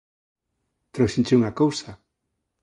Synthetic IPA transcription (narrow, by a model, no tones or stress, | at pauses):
t̪ɾosint͡ʃiuŋakowsa